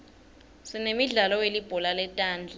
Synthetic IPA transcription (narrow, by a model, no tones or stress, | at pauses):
sinemiɮalɔwelib̥ʱɔlalɛtʼaːnd͡ɮʱa